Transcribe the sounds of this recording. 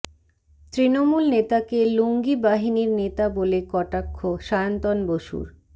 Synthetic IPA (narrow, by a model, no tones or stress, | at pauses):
t̪ɾinomulnet̪akeloŋɡibaɦiniɾnet̪abolekɔʈakʰːoʃant̪onboʃṵɾ